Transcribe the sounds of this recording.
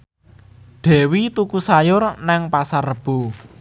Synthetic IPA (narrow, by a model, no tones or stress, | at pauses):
ɖ̪̥ɛ̤wit̪ukusajʊrnɛŋpasarːəb̥ṳ